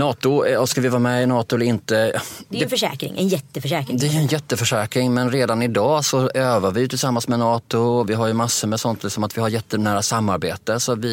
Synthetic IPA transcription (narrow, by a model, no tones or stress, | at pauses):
nɑːt̪ʊskalvɪvɑːɾamɛɪnɑːt̪ʊɛləɾɪnt̪əɛfœʂɛ̰ːkɾɪ̰ŋɛ̰njɛt̪ːəfœʂɛːkɾɪd̪ɛæɾɵɛnjɛt̪ːəfœʂɛːkɾɪŋmɛnɾeːd̪anɪd̪ɑːsɔøːvavɪjɵt̪ʰɪlsamːansmɛnɑːt̪ʊɔvɪɦaɾjɵmasːəmɛsɔnt̪ʰlɪksɔmat̪vɪhaɾjɛt̪ːənæːɾasamːaɾbeːt̪əsɔvɪ